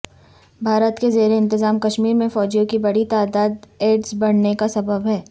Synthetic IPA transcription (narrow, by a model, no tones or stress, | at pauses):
bʱaːɾət̪kezeːɾeɪ̃nt̪ɪzaːmkɐʃmiːɾmẽfɔːd͡ʒijõkibɐɽit̪aːd̪aːd̪eːɖzbɐɽ̤nekasɐbəbɦɛː